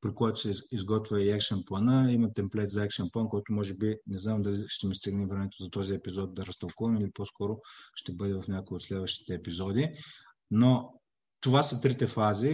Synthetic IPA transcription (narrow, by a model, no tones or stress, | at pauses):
pɾikɔjt̪ʊ̥sɛizɡɔt̪vʲɛiɛkʃənplˠɐnəimɐt̪ɛmplɛt̪zɐɛkʃɐnplˠankɔjt̪omɔʒɛbinɛznamd̪ɐliʃt̪ɛmist̪iɡnivɾɛmɛt̪ozɐt̪ɔziɛpizɔd̪̚d̪ɐɾɐst̪ɐlˠkuvɐmiliposkɔɾoʃt̪ɛbɤd̪ɛvɐfnʲakojot̪slɛd̪vəʃt̪i̥t̪ɛːpizɔd̪i | no | t̪ovasɐt̪ɾit̪ɛfazi